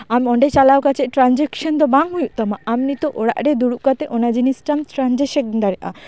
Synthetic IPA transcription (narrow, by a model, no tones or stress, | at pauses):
amɔɳɖet͡ɕalawkat͡ɕʰeʔʈɾand͡ʑekʃond̪ɔbaŋɦujuʔt̪ɔmaamnit̪oʔoɽa̰ʔɾed̪uɾuʔkat̪eʔonad͡ʑinisʈamt̪ɾand͡ʑeʃek̚nd̪aɾeʔa̰